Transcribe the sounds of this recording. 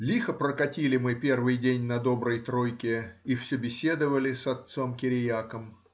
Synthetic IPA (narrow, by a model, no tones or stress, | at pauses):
lʲixəpɾəkɐtʲilʲɪmɨpʲe̞rvɨjdʲenʲnɐd̪o̞bɾəjt̪ɾojkʲɪifsʲɵbʲɪsʲe̞d̪əvəlʲɪsɐt̪so̞mkʲɪɾʲɪjakəm